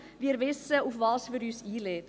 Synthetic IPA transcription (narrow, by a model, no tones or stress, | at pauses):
viːɾvɪsəufvɑːsfyɾyːsiːleːt